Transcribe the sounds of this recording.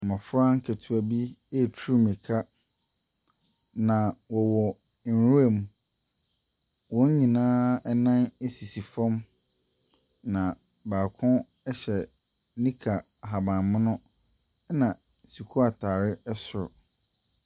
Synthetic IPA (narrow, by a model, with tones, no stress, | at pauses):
mɔ̃˨fɾã˦ŋ̩˦kʰe˨tʰu˨æ˨bi˦e˦˨tʰu˦ɾu˦mĩ˨kʰa˦ | nã˨wɔ˨wɔ˨ | n˨ɾũ˦e˦˨mũ˨˦ | wɔ̃˦ɲ˦ɲĩ˨nãː˦ɛ˦nã˦ne˦si˨si˨fɔ̃˦m | nã˨ | baː˨kʰʊ̃˦ | ɛ˦ɕɛ˨ | nĩ˦kʰa˨ɦa˨bã˨mʊ̃˦nʊ̃˦ | nã˨ | su˨kʰu˦a˨tʰaː˨ɾɪ˦ɛ˦sʊ˨ɾʊ̰˨